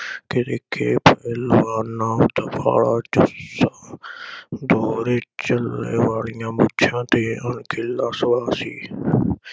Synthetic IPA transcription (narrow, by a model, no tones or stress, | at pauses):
kɪɾekʰeːpəelʋaːnːaːt̪əpʰa̰ːɭaːd͡ʒʊsaː | d̪oːɾeːt͡ʃəlːeːʋaːlɪjãːmʊtːt͡ʃʰãːt̪eːənkʰɪlːãːswaːsḭː